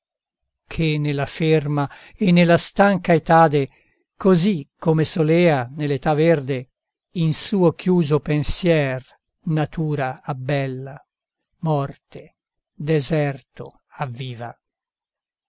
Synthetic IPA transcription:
kʰenːelːaferma | enːelast̪aŋkaet̪aːd̪e | kozikːomesolɛːanelːet̪averd̪e | insuːokjuːzopensjɛr | nat̪uːɾaːbːɛlːa | mɔrt̪e | d̪ezɛrt̪o̰ | avːiːva̰

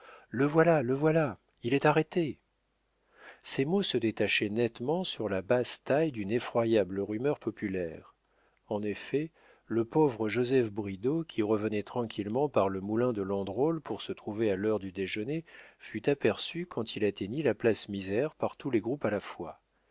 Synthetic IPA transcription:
ləvwalaləvwala | ilɛt̪aʁet̪e | sɛmosəd̪et̪aʃɛnɛt̪mɑ̃syʁlabast̪ajd̪ynefχwajabləʁymœʁpɔpylɛʁ | ɑ̃nefɛ | ləpovʁəʒozɛfbʁid̪okʲʰiʁəvənɛt̪χɑ̃kʲʰilmɑ̃paʁləmulɛ̃d̪əlɑ̃d̪ʁolpuʁsət̪χuvealœʁd̪yd̪eʒənefyt̪apɛʁsykʰɑ̃t̪ʰilat̪eɲilaplasmizɛʁpaʁt̪ulɛɡʁupalafwa

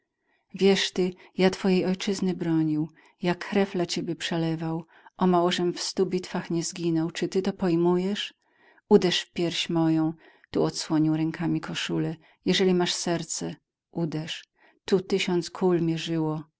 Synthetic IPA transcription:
vʲjɛʂt̪ɘjat̪fɔjejɔjt͡ʂɘznɘbɾɔɲiw | jakːɾɛvlat͡ɕebʲjɛpʂɛlɛvaw | ʔɔmawɔʐɛmfst̪ubʲit̪faxɲɛzɡʲinɔwt͡ʂɘt̪ɘt̪ɔpɔjmujɛʂ | ud̪ɛʂfpʲjɛɾɕmɔjɔ̃w̃ | t̪uɔt̪swɔɲiwɾɛŋkʰamʲikɔʂulɛ | jɛʐɛlʲimaʂsɛɾt̪sɛ | ʔud̪ɛʂ | t̪ut̪ɘɕɔnt̪skʰulmʲjɛʐɘwɔ

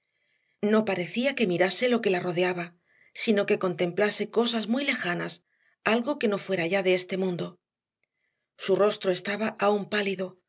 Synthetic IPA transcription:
no̞paɾe̞θiake̞miɾase̞lo̞ke̞laro̞ðe̞aβa | sino̞ke̞ko̞nt̪ẽ̞mplase̞ko̞s̬azmujle̞xanas | alɣo̞ke̞no̞fwe̞ɾaʝaðeest̪e̞mũnd̪o̞ | suro̞st̪ɾo̞e̞st̪aβaʔaumpaliðo̞

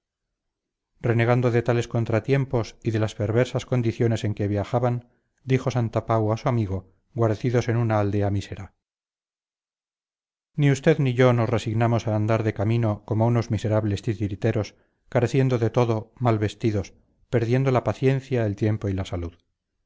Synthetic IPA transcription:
re̞ne̞ɣand̪o̞ðe̞t̪ale̞sko̞nt̪ɾat̪je̞mpo̞siðe̞laspe̞ɾβ̞e̞ɾsasko̞nd̪iθjo̞ne̞se̞ŋke̞βjaxaβan | d̪ixo̞sant̪apawasuamiɣo̞ | ɡwaɾeθiðo̞se̞nunaːld̪e̞amise̞ɾa | niust̪e̞ðniʝo̞no̞sre̞siɣnamo̞saːnd̪aɾðe̞kamino̞komouno̞zmise̞ɾaβle̞st̪it̪iɾit̪e̞ɾo̞s | kaɾe̞θjend̪o̞ðe̞t̪o̞ðo̞malβe̞st̪iðo̞s | pe̞ɾðje̞nd̪o̞lapaθje̞nθjaelt̪je̞mpo̞ilasaluð

